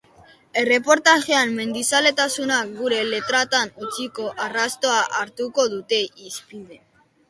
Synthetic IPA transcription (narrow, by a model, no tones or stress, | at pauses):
e̞re̞po̞ɾt̪aʝe̞amme̞nd̪isale̞t̪asunak̚ɡuɾe̞le̞t̪ɾat̪anut͡siko̞ʔarast̪o̞aʔaɾt̪uko̞ðut̪e̞ʔispiðe̞